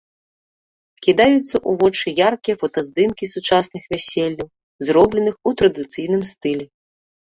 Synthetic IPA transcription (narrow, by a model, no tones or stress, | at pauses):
kʲid̪ajut̪sːɐʔuvɔt͡ʂɨjarkʲijɐfɐt̪ɐzd̪ɨmkʲisut͡ʂasnɨxvʲasʲelʲːɐw | zɾɔblʲɛnɨxut̪ɾɐd̪ɨt̪sɨjnɨmst̪ɨlʲɛ